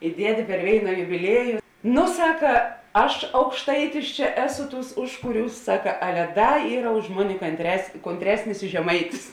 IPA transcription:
ɪ ˈdʲiɛdʲeː pʲɛr ˈʋʲeːɪnɐ jʊbʲɪˈlʲiɛjʊ ˈnoː ˈsɑːkɐ ˈɐʃ ɐʊkʃˈtɐɪtʲɪs t͡ʃʲɛ ˈæːˌsʊ ˈtuːs ˈʊʃkʊˌrʲuːs ˈsɑːkɐ ˈɑːlʲɛ ˈdɐ ˈiːrɐ ʊʃ ˈmoːnʲɪ kɐnʲtʲrʲɛs koːnʲtʲˈrʲæːsʲnʲɪs ɪ ʒʲɛˈmɐɪtʲɪs

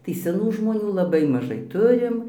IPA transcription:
tɐɪ sʲɛˈnuː ʒmoːˈnʲuː lˠɐˈbɐɪ mɐˈʒɐɪ ˈtʊrʲɪm

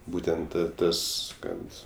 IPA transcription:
ˈbuːtʲɛnt ˈtɐs ˈkɐt

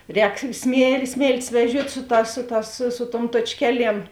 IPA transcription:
ˈrʲɛːk sʲmʲiɛ ˈsʲmʲeːlʲtʲɪs ʋʲɛˈʒʲuɔtʲ ˈsʊ ˌtɑːs ˈsʊ ˌtɑːs sʊ sʊ tuɔm tuɔt͡ʃʲˈkʲæːˌlʲiɛm

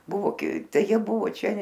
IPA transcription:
ˈbʊʋoː ˈtɐɪ ˈjiɛ ˈbʊʋoː ˈt͡ʃʲɛ

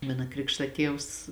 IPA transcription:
ˈmɑːnɐ ˈkrʲɪkʃtɐ ˈtʲiɛws

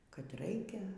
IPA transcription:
kɐt ˈrɐɪkʲɛ

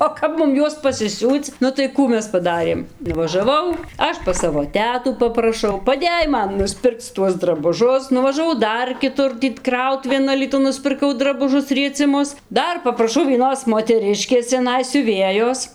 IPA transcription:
oː ˈkɐp mʊm ˈjuɔs pɐsʲɪˈsʲuːt͡s ˈnʊ tɐɪ ˈkuː ˈmʲɛs pɐˈdɑːrʲeːm nʊʋɐʒɐˈʋɐʊ ˈɐʃ pɐs ˈsɑːʋoː ˈtʲæːtuː pɐprɐˈʃɐʊ pɐˈdʲeːj ˈmɐn nʊsʲˈpʲɪrkt͡s ˈtuɔs drɐbʊˈʒʊs nʊʋɐʒɐˈʋɐʊ ˈdɐr kʲɪˈtʊr tʲiː ˈkrɐʊtʊʋʲeːn ɐlʲiːˈtʊn nʊsʲpʲɪrˈkɐʊ drɐbʊˈʒʊs rʲiɛt͡sʲɪˈmʊs ˈdɐr pɐprɐˈʃɐʊ ʋʲiɛˈnoːs moːtʲɛˈrʲɪʃʲkʲeːs t͡sʲɛˈnɐɪ sʲʊˈʋʲeːjoːs

